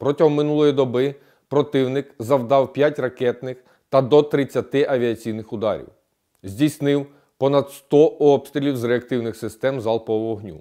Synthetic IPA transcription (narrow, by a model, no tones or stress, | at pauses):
pɾɔtʲɐɦɔmːɪnulˠɔjid̪ɔbɪ | pɾɔt̪ɪwnɪkzɐwd̪ɑwpʲjatʲrɐkɛt̪nɪx | t̪ɐd̪ɔt̪ɾɪt͡sʲːɐt̪ɪʔɐʋʲiɐt͡sʲijnɪxʊd̪ɑ̰ɾʲḭw | zʲdʲijsnɪw | pɔnɐd̪st̪ɔɔpst̪ʲɾʲilʲiwzɾeɐkt̪ɪwnɪxsɪst̪ɛmzɑlˠpɔʋɔɦnʲṵ